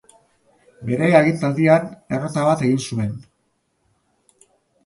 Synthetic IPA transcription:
be̞ɾe̞aɣint̪ald̪iane̞rot̪aβat̪e̞ɣinsue̞n

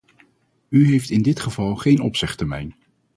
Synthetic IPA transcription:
yɦejftɪndɪtχəvɑlˠχejnɔpsɪχtəmɛ̰jn

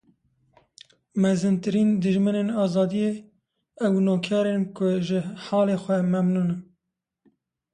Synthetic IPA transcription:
mɛzɨnt̪ɨɾiːnd̪ɨʒmɨneːnɑːzɑːd̪ije | ɛwnoːkʰɑːɾeːnkʊʒɪħɑːleːxʷɛmɛmnuːnɨ

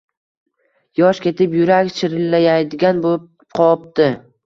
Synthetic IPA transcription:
jɒʃkʲe̞t̪ɪpjʊɾakʲt͡ʃʰɪɾɪlːajajd̪ɪɡʲanbo | qʰɒpt̪ɪ

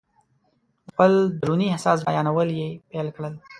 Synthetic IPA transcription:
xpəld̪ɾuniehsɑsbajɑnawəljepelkɽəl

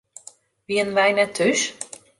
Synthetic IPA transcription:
ʋiənənʋɛjnɛtʰːys

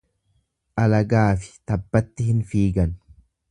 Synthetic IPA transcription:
ʔɐlɐɡaːfɪ̥t̪ɐbːɐt̪ːɪhɪnfiːɡɐn

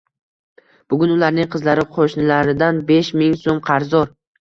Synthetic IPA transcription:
b̥ʊɡʲʊnʊlaɾnɪŋqʰɨzlaɾɪqʰoʃnɪlaɾɪd̪anbeʃmɪŋsomqʰɑɾzɒɾ

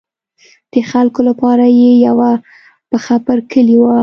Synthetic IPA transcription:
d̪̥əxalkolapɑɾajejawa | pəxapəɾkəliwa

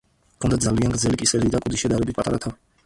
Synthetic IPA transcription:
kʰɔnd̪ad̪zalianɡɾd̪zɛlikʼisɛlid̪akʼud̪iʃɛd̪aɾɛbit̪̚pʼat̪ʼa̰ɾat̪ʰa

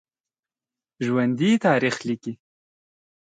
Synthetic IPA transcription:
ʒwand̪it̪ɑːɾixliki

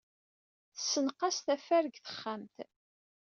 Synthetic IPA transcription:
θəsːənqɑst̪æfæɾəɡθə̥χːamt̪

